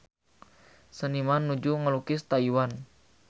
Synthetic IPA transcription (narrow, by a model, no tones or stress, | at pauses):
sənimanːud͡ʒuŋəlukɪst̪aiwan